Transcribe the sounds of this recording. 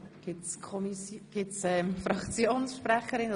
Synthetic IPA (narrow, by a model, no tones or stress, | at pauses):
ɡ̥ɪtskʰɔmisjɡ̥ɪtsɛmfɾɑkt͡sjoːnsʃpɾæχəɾɪn